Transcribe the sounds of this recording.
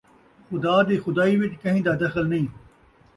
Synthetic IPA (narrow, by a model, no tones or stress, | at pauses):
xʊd̪aːd̪iːxʊd̪aːiːʋɪʈkɐɦĩːd̪aːd̪ɐxəlnɐĩː